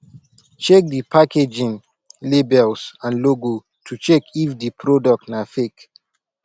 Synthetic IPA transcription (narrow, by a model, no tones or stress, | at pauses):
t͡ʃɛk̚dipʰakʰed͡ʒĩn | lebɛlsãnloɡo | tʰut͡ʃɛkifdipʰɹodɔk̚tnafek